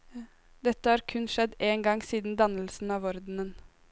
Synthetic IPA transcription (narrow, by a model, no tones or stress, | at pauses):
d̪ɛt̪ːəhɑːɾkʰʉnʃɛd̪eːŋɡɑŋsiːd̪n̩d̪ɑnəl̩sn̩ɑːʋɔɾd̪n̩ən